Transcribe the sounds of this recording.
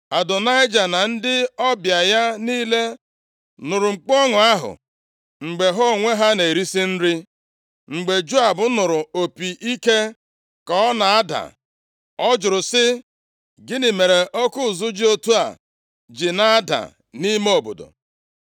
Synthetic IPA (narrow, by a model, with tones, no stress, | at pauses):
a˨dʊ˨na˦ɪ˦d͡ʒa˨na˨n̩˦dɪ˦ɔ˦bja˨ja˦niː˦le˦ | nʊ˨ɾʊ˨ŋ͡m̩˨k͡pɔ˦ŋʊ˨a˦ɦʊ̰˨ | ŋ͡m̩˨ɡ͡be˨ɦo˦˨ŋʷe˦ɦa˦ne˨e˨ɾi˦si˦n̩˦ɾɪ˦ | ŋ͡m̩˨ɡ͡be˨d͡ʒu˦a˨bʊ˦nʊ˨ɾʊ˨o˨pi˨ʔi˦ke˦ | kɔ˦ɔ˦na˨a˦da̰˨ | ɔ˦d͡ʒʊ˨ɾʊ˨sɪ˦ | ɡɪ˦nɪ˨me˨ɾe˨ʔo˦kʊ˦˨zʊ˦d͡ʒi˦o˦tu˦a̰˨ | d͡ʒɪ˨na˦a˦da̰˨ | ni˦me˦o˦˨bo̰˨do̰˨